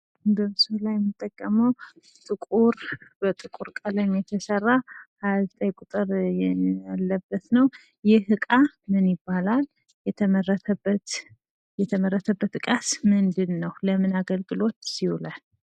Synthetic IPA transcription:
bəmsulajɛmːɨt̪ʼːəkʼːəməw | t̪ʼɨkʼuɾbət̪ʼɨkʼuɾkʼələɲjɛt̪ʰəsərːahajazt̪ʼəjkʼut̪ʼɨɾjɛjalːəbːət̪nəw | jɪhɨkʼa | mɨnjɪbːalal | jɛt̪ʰəmərət̪ʰəbːət̪ | jɛt̪ʰəməɾːət̪ʰəbːət̪kʼasmɨnd̪ɨnːəwləmɨnaɡəlɡɨlo̞t̪sihulal

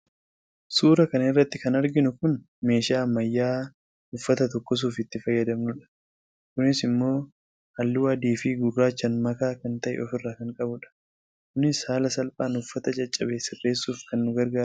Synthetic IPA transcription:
suːɾɐkɐnɐɪrːɐt̪ːɪkɐnɐɾɡɪnʊkʊn | me̞ːʃaːmɐjːaː | ʊfːɐt̪ɐt̪ɔkːɔs̬uːfɪt̪ːɪfɐjːɐd̪ɐmnʊᶑɐ̥ | kʊnɪsɪmːo̞ː | hɐlːuːɐd̪iːfiːɡʊrːaːt͡ʃːɐnmɐkaːkɐnt̪ɐʔɛ̰ɔfɪrːaːkɐŋkʼɐbʊᶑɐ̥ | kʊnɪshaːlɐsɐlpʼaːnʊfːɐt̪ɐt͡ʃʼɐt͡ʃʼːɐbe̞ːsɪrːe̞ːsːuːfkɐnːʊɡɐɾɡaːʊ

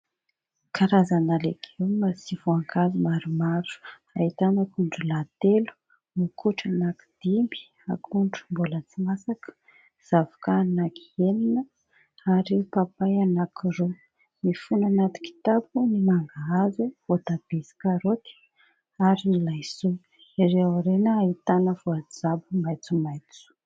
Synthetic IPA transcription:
kʰaɾazanaleɡʰeumasivoaŋɡazimaɾumaɾu̥ | ait̪anakuɳɖ͡ʐulat̪elu̥ | nukʰuʈ͡ʂanaki̥d̪̥imbi̥ | akʰuɳɖ͡ʐumbolət͡simasakə̥ | z̥avu̥kanaki̥eninə | aɾipapajanakiro | nifunanat̪i̥ki̥t̪ap̚unimaŋɡaazuvod̪ab̥esi̥kaɾot̪i̥ | aɾinilajsu | iɾeawɾenəait̪anəvuad͡zabumajt͡sumajt͡su̥

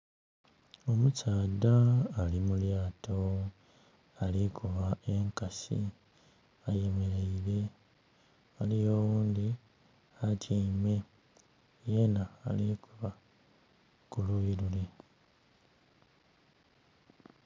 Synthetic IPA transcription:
o̞musaːd̪aːlimuljaːtʰo | alikuβae̞ŋkasḭ | aje̞meɾe̞iɾe̞ | alijo̞wuːnd̪i | atjeime̞ | je̞na̰ːlikuβa | kulujiɾule̞

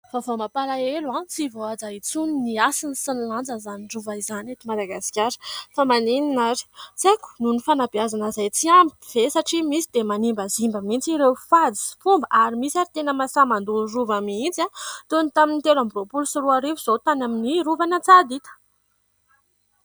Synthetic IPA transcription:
favomapalaeluant͡sivoad͡zait͡suniniasinisənland͡zəzaniɳɖ͡ʐuvaizanet̪imad̪aɡasi̥kʲaɾə̥famanininaɾi̥t͡seku̥nunifanabiazanəzajt͡siambi̥v̥esaʈ͡ʂimisid̪emanimbəzimbəmint͡siɾewfad͡zi̥fumbəʔaɾimisaɾit̪enəmasamand̪uruvamint͡sat̪onit̪aminit̪elambropulsuruaɾivuz̥ot̪anaminiɾuvanat͡sad̪it̪ə̥

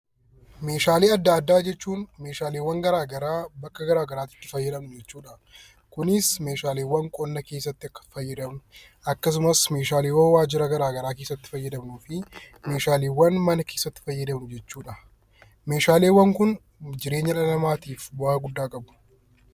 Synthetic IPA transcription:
me̞ːʃaːleːɐd̪ːaːd̪ːaːd͡ʒɛt͡ʃːuːnme̞ːʃaːleːwɐŋɡɐɾaːɡɐɾaːbɐkːɐɡɐɾaːɡɐɾaːt̪ɪ̥t̪ːɪfɐjːɐd̪ɐmʊd͡ʒɛt͡ʃːuːᶑɐ | kʊnɪsme̞ːʃaːleːwːɐŋkʼɔnːɐke̞ːsːɐt̪ːɪɐkːɐ̥fɐjːɐd̪ɐmʊ | ɐkːɐs̬ʊmɐsme̞ːʃaːleːwɐnwaːd͡ʒɪɾɐɡɐɾaːɡɐɾaːke̞ːsːɐt̪ːɪ̥fɐjːɐd̪ɐmuːfɪ | me̞ːʃaːleːwːɐnmɐnɐke̞ːsːɐt̪ːɪ̥fɐjːɐd̪ɐmnʊd͡ʒɛt͡ʃːuːᶑɐ | meːʃaːle̞ːwːɐŋkʊn | d͡ʒɪɾe̞ːɲːɐᶑɐnɐmaːt̪iːfbɐɐɡʊd̪ːaːkʼɐbʊ̥

